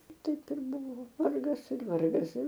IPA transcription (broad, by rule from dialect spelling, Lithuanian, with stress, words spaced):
ˈtɐɪp ɪr ˈbʊʋoː ˈʋɐrɡɐs ɪr ˈʋɐrɡɐs ɪr